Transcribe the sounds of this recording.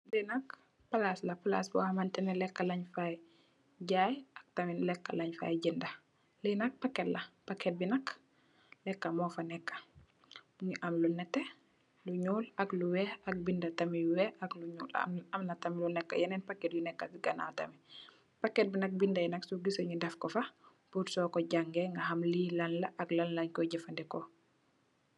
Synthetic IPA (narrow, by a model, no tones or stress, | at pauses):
lɛnɐk | pɐlaslɐpala̰ːsbɔ̰hmantɛnɛlɛkːɐlɐɲfaj | ɟaːjʔɐk̚tɐmilɛkːalaɲfa̰jɟindɐ | lɛnɐk̚pakːɛtlɐpakːɛt̚binɐk | lɛkːɐmɔːfɐnɛkːɐ̥ | ɲiʔɐmlunɛtːɛ | luɲuːlakluwɛak̚bindɐtɐmiuwɛʔakluɲuːl̰ɐmnɐtamilunɛkːa̰jɛnɛnpakːɛt̚junɛkːafiɡɐna̰tɐ̰mi | pakːɛt̚binɐk̚bindajnɐksuɡisɔɲundɛfkɔfa | puɾsɔkɔɟaŋɡɛŋɡɐhɐmlilanlɐʔːklanlaɲkɔɟɛfandɛkɔ